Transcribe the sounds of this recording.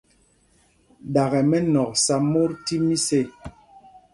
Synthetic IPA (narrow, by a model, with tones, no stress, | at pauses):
ɗa˨ɣɛ˨mɛ˦nɔ˨k̚sa˦mo˦ɾti˦mi˦se˦˨